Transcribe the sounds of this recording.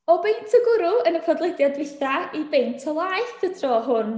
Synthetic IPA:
ɔbejntʰəɡʊɾʊənəkʰɔdlˠɛdjadvɪθaibejntʰɔlˠaɨθətʰrɔɦʊn

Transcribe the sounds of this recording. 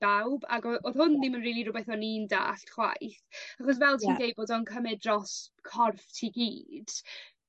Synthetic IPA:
awba̰ɡɔoðhʊnnimənriːlˠiɾʊbɛθɔninda̰ːɬχwa̰jθaχɔs̬vɛlˠtʰiːndejboːdɔnkʰəmɛdrɔskʰɔrftʰiːɡiːd̥

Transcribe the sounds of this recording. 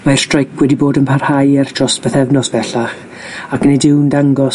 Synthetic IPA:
maɛr̥strajkʰwɛdiboːdənpʰarhajɛrd̥rɔstb̥əθɛvnɔsb̥ɛɬaχ | akʰnejdɪwndaŋɡɔ

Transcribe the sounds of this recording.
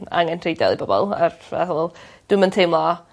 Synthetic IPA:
a̰ŋɛnrejdɛ̰lˠibɔbɔ̰lˠa̰rvɛ̰θʊlˠd̥ɨməntʰejmlˠɔ

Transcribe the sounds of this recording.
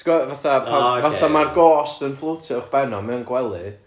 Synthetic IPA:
ɡɔvaθapʰavaθamarɡɔːstənflˠʊtʰɪʊχb̥ɛnɔmɛwnɡwɛlˠɨ

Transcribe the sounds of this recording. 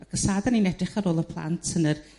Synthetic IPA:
aɡʰəsaːðaninɛdrɪχaɾoːlˠəpʰlˠa̰ntʰənər

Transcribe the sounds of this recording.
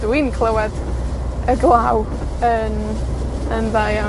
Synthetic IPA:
dwinkʰl̥ˠəwɛd | əɡlˠaw | ən | ənðaja

